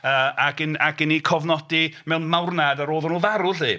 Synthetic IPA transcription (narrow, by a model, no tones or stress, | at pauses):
əːaɡənaɡɪnikʰɔvnɔdimɛwnmawrnadaɾoːðɔnuːvaɾʊliː